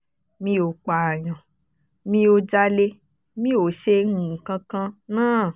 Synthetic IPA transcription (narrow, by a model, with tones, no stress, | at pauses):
mĩ˧o˨k͡pa˨j̃ã˨ | mĩ˧o˧d͡ʒa˧le˧ | mĩ˦o˨ʃe˧ŋũ˦˨kã˧kã˧nãː˦˨